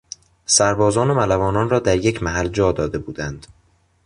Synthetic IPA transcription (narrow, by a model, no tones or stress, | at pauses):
sæɾbɒːzɒːnomælævɒːnɒːnrɒːd̪æɾjecʰmæɦæld͡ʒɒːd̪ɒːd̪e̞buːd̪ænd̪̥